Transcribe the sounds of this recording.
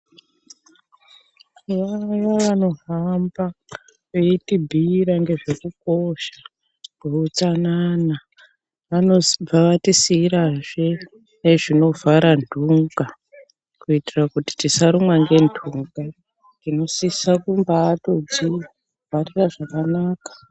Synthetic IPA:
ʋajaʋano̞ɦamba | ʋeitibʱiɾaŋɡe̞ʐe̞kuko̞ʃḁ | kɡeut͡sanana | ʋanob͡vaʋatisiːɾaʐe | neʐino̞vaɾandʱuŋɡa | kuitirakuti̥tisaɾumwaŋɡe̞ndʱuŋɡa | tino̞sisakumbaːtod͡zi | variraʐakanaːkḁ

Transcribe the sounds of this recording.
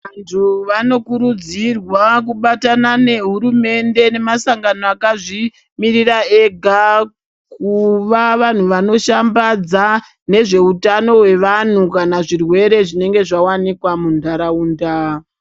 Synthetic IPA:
antʰuʋano̞kuɾud͡zirwak̬uɓatanane̞ɦuɾume̞nde̞ne̞masaŋɡano̞akaʐi | mirirae̞ɡʱa | kuʋaʋan̤uʋano̞ʃambad͡za | ne̞ʐe̞utano̞ɦwe̞ʋan̤ukanaʐirwe̞ɾe̞ʐine̞ŋɡe̞ʐawanikwamundʱaɾauːnda

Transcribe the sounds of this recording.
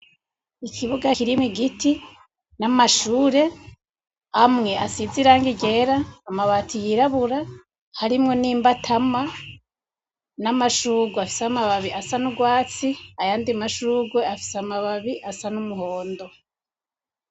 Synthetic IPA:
ikʰiβuɡakiɾimŋiɡiti | namaʃuːɾe̞ | amŋe̞ʔasiziɾaːŋɡiɟe̞ɾaːmaβatʰijiɾaβuɾa | haɾimŋo̞niːmbatʰama | namaʃuːɡweafi̥seamaβaβiʔasanuɡwaːt͡siajaːndimaʃuːɡweafi̥seamaβaβiʔasanumuɦo̞ːndo̞

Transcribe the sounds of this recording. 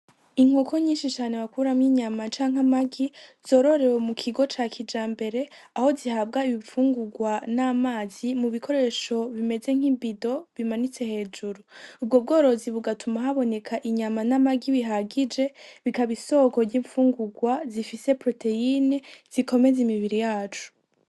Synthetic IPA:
iŋ̥hoko̞ɲiːnʃit͡ʃaːne̞wakuɾamŋiɲamat͡ʃaːŋɦamaɡiz̥o̞ːɾo̞ɾe̞wemukʰiɡo̞t͡ʃaːkʰid͡ʒaːmbe̞ɾe̞ | aho̞zihab̚ɡaiβiɱfuːŋɡuɡwanaːmaːzimuβikʰo̞ɾe̞ʃo̞βime̞ze̞ŋ̥imbido̞βimanit͡se̞he̞ːd͡ʒuɾuub̚ɡo̞b̚ɡo̞ːɾo̞ziβuɡatumaɦaβo̞ne̞kʰaʔiɲamanamaɡiβiɦaɡid͡ʒe̞βikaβiso̞ko̞ɟiːɱfuːŋɡuɡwazifise̞pɾo̞te̞inez̥iko̞me̞zimiβiɾijaːt͡ʃu̥

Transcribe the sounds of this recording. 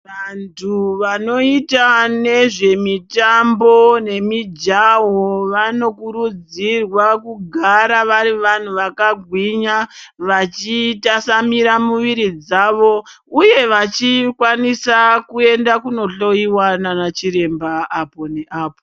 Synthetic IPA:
ʋantʰuʋano̞itane̞ʐe̞mitambo̞ne̞mid͡ʒaɦoʋano̞kuɾud͡zirwakuɡʱaɾaʋaɾiʋan̤uʋakaɡʱwiɲaʋat͡ʃitasamiɾamuʋiɾid͡zaːʋo̞ | uje̞ʋat͡ʃikwanisakue̞ndakuno̞ɬo̞iwananat͡ʃiɾe̞mbaːpo̞ne̞ʔaːpo

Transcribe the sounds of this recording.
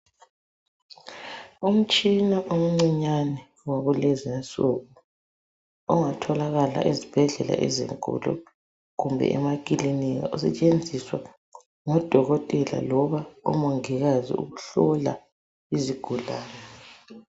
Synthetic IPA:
um̩t͡ʃʼinaʔom̩ŋ͡ǀiɲanɛ | waɣuleziasuɣu | ɔŋatʰɔlaɣala̰ʔizib̥ʱɛɮɛla̰ʔɛzḭŋkʼṵlɔ̰ | ɣumbʱɛ̰ʔɛmakʼiliniɣa̰ʔɔsɛt͡ʃʼend͡zʱiswa̰ | ŋɔd̥ʱɔɣɔtʼɛla̰lɔβaṵmɔŋiɣazḭṵɣuɬɔla̰ | iziɡ̥ʱulaːnɛ

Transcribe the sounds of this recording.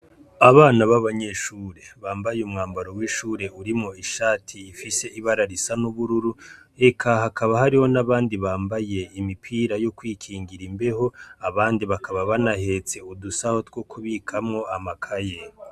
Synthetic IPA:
aβaːnaβaβaɲe̞ʃuːɾe̞βaːmbajeumŋaːmbaɾo̞wiːʃuːɾe̞uɾimŋo̞iʃaːtʰiːfise̞iβaɾaɾisanuβuɾuɾu | e̞kʰahakaβahaɾiho̞naβaːndiβaːmbaje̞imipʰiːɾajo̞kwiːkʰiːŋɡiɾimbe̞ho̞aβaːndiβakaβaβanahe̞t͡se̞udusaho̞tɡwokʰuβikʰamŋo̞amakʰaje

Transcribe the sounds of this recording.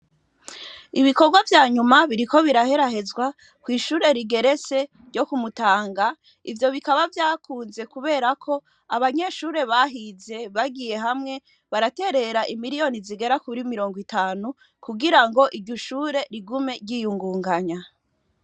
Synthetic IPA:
iβiko̞ɾɡwavjaːɲumaβiɾiko̞βiɾahe̞ɾaɦe̞zwa | kwiːʃuːɾe̞ɾiɡe̞ɾe̞t͡se̞ | ɾɟo̞kumutaːŋɡa | ivjo̞βikaβavjaːkuːnze̞kuβe̞ːɾakʰo̞ | aβaɲe̞ːʃuːɾe̞βaɦize̞βaɡije̞ɦamŋe̞ | βaɾate̞ɾe̞ɾaʔimiɾijo̞niziɡe̞ɾakuɾimiɾo̞ːŋɡwitaːnu | kuɡiɾaŋɡo̞ʔiɾɟoʃuːɾe̞ɾiɡume̞ɾɟiːjuŋɡuːŋɡaɲa

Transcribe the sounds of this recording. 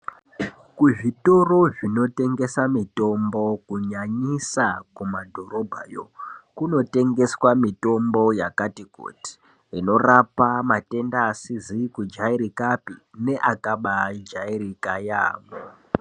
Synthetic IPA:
kuʐito̞ro̞ʐino̞te̞ŋɡe̞samito̞mbo̞kuɲaɲisakumadʱo̞ɾo̞bʱa̰jo̰kuno̞te̞ŋɡe̞swamito̞mbo̞jakatiko̰ːti̥ | ino̞rapamate̞ndaːsizikud͡ʒaiɾikapine̞ʔakaɓad͡ʒairikaja̰ːmo

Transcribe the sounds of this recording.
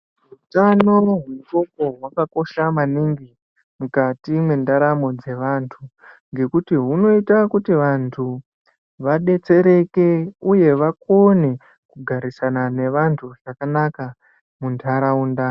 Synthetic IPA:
utanoɦemuto̞ko̞ɦwakako̞ʃamaniŋɡi | mukatimwe̞ndaɾamo̞d͡ze̞ʋaːntʰu | ŋɡe̞kutiɦuno̞itakutiʋantʰu | ʋaɗe̞t͡se̞ɾe̞ke̞uje̞ʋako̞ne̞ | kuɡʱaɾisanane̞ʋantʰuʐakanaka | muntʰaɾaunda

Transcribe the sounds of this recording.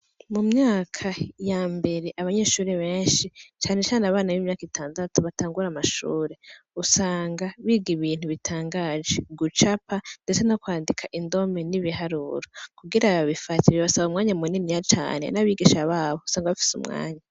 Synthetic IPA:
mumɲaːkʰajambe̞ɾe̞ʔaβaɲe̞ːʃuːɾeβe̞ːnʃit͡ʃaːne̞t͡ʃaːnaβaːnaβiːmɲaːkitʰaːndatuβataːŋɡuɾamaʃṵːɾe̞usaːŋɡaβiːɡiβiːn̥huβitʰaːŋɡaːd͡ʒeɡut͡ʃapʰandet͡se̞nokwaːndikʰaʔindo̞me̞niβiɦaɾṵɾokuɡiɾaβaβifatʰiɾeβasaβaumŋaːɲamuninijat͡ʃa̰ːne̞̰naβiːɡiʃaβaːβousaːŋɡaβifi̥sṵmŋa̰ːɲa

